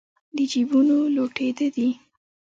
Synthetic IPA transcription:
d̪əd͡ʒibunoloʈed̪əd̪i

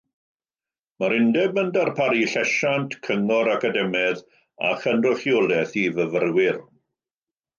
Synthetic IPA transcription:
maɾɪndɛbəndarpʰaɾiɬɛʃantkʰəŋɔɾakadɛmɛð | a̰χənrʊχjɔlˠɛθivəvərwɪr

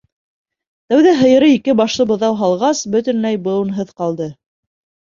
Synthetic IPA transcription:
t̪æwðæɦɤ̆jɤ̆ɾɤikɘbɑʃlˠɤbɤ̆ðɑwɦɑlˠʁɑsbɵ̆t̪ɵ̆nlæjbɤ̆ɤ̆nɦɤðqɑlˠd̪ɤ

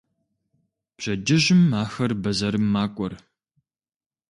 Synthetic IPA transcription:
pɕɐd͡ʒɪʑɪmaːxɐrbɐzɐɾɨmːaːkʷʼɔr

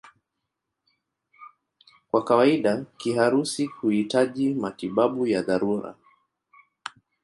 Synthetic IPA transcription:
kwakawaiɗakiɦaɾusihuhitaʄimatiɓaɓujaðaɾuɾa̰

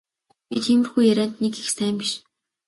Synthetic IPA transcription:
it̪ʰiːmɘ̆rxujæɾʲæːnt̪nekixst̪ʰæːmpiʃ

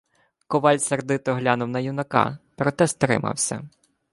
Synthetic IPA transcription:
kɔʋɑlʲsʲɐrd̪ɪt̪ɔɦlʲanʊwnɐjunɐkɑ̰pɾɔt̪ɛst̪ɾɪ̰mɐ̰wsʲɐ̰

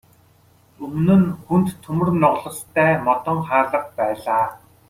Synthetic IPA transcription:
ɵmnɵ̆nxunt̪ʰːɵmɵ̆rnɔʁɮɞ̆st̪ʰːæːmɔt̪ɞ̆ŋχaːɮə̆q̚pæːɮaː

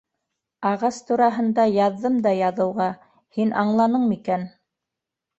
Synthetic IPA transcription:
ɑʁɑst̪uɾɑɦɤ̆nd̪ɑjɑðːɤmd̪ɑjɑðɤ̆wʁɑ | hinʔɑɴlˠɑnɤɴmikæn

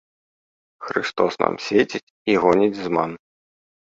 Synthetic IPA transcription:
xɾɨ̰st̪ɔsna̰msʲvʲet͡sʲit͡sʲiɣɔnʲit͡sʲzman

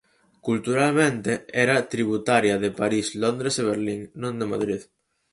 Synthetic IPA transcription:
kult̪uɾalmẽnt̪eɛɾat̪ɾiβ̞ut̪aɾjaðepaɾislond̪ɾeseβ̞eɾliŋnõnd̪emaðɾið

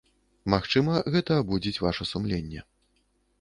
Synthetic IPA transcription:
maxt͡ʂɨmɐɣɛt̪ɐːbud͡zʲit͡sʲvaʂɐsumlʲenʲːɛ̰

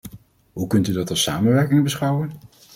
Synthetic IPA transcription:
ɦukɵntydɑtɑlˠsaːmənʋɛɹkɪŋbəsχʌwən

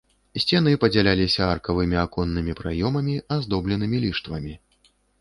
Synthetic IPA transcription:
sʲt͡sʲɛnɨpɐd͡zʲalʲalʲisʲɐarkɐvɨmʲiakɔnːɨmʲipɾajɔmɐmʲiazd̪ɔblʲɛnɨmʲilʲiʂt̪vɐmʲi

